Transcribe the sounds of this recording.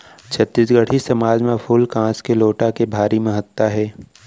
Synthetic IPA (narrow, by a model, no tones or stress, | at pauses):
t͡ʃʰət̪ːisɡəʈʰisɐmaːd͡ʒmẽpʰʊlkãːskeloːʈakebʱaːɾimẽɦət̪ːaɦɛː